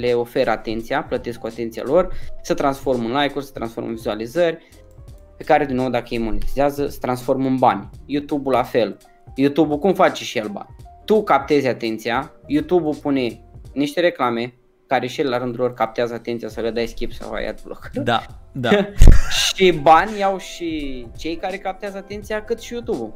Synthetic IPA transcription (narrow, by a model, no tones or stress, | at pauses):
le̞o̞fe̞ɾat̪e̞nt̪siaplət̪e̞skuat̪e̞nt̪sija̰lo̞rsət̪ɾansfo̞rmɨnlajkursə̥t̪ɾa̰nsfo̞rmɨ̰nvizualizərʲ | pe̞kaɾe̞d̪inːo̞wd̪akəjejmo̞nit̪izɪazəsə̥t̪ɾansfo̞rmɨnbanʲjut̪ubulafe̞l | jut̪ubukumfat͡ʃeʃijelba̰nʲt̪ukap̚t̪e̞zʲat̪e̞nt̪sijajut̪ubupune̞niʃt̪e̞ɾe̞klame̞ | kaɾe̞ʃijelelaɾɨnd̪ulo̞rkap̚t̪eazəat̪ent̪sijasəled̪ajskʲipsa̰wa̰j̰a̰t̪blo̰k̪a | ʃibanʲjawʃit͡ʃe̞jkaɾe̞kap̚t̪eazəat̪e̞nt̪sijakɨt̪ʃijut̪ubu